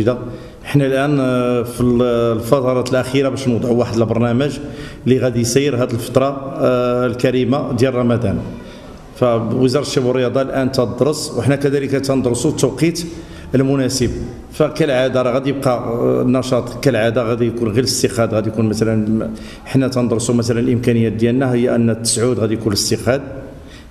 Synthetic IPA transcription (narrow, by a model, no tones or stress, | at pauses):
d̪a | ħnælʔænfilfɑt̪ˤɑɾˤɑt̪əlʔæxiɾabæʃnwd̪ˤʕuwaħəd̪əlbɑɾˤnæməʒ | liɣæd̪ijsæjːəɾɦæd̪əlfə̥t̪ˤɾˤɑ | lkæɾimad̪jælrˤɑmæd̪æn | fæwəzɑɾˤt̪ʃæbərːəjɑd̪ˤɑlʔænt̪æd̪ɾˤəsˤwəħnækæd̪æləkæt̪ænd̪ˤɾsut̪ːəwqit̪ | əlmʊnæsəb | fækælʕad̪ɑɾˤɑɣæd̪jəb̚qɑnːɑʃɑt̪ˤkælʕad̪aɣæd̪ijkunɣiləst̪əqæd̪ɣæd̪jkunmæt̪ælən | ħnːæt̪ɑnd̪ˤɾsumæt̪ælənəlʔəmkænəjːæt̪̚d̪jælnæhhəjːæʔənːt̪ːə̥sʕud̪ɣæd̪ijkunləst̪əqæd̪̚